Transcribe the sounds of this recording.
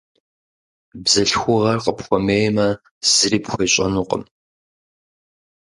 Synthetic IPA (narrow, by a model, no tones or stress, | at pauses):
bzɐɬxʷʊʁɐrqʼəpxʷɔmeːjmɐ | z̥ɨɾiːpxʷeːɕʼɐnuːqʼə̰m